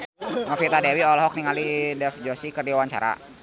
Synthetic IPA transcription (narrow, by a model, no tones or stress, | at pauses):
ŋafit̪adɛwiɔlɔɦɔk̚niŋalidɛfd͡ʒɔsikərdiawaɲt͡ʃa̰ɾa̰